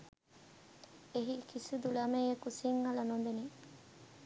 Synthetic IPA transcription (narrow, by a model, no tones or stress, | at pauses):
eɦikʰisud̪ulɐmeːjekusiŋːɐlɐnond̪eni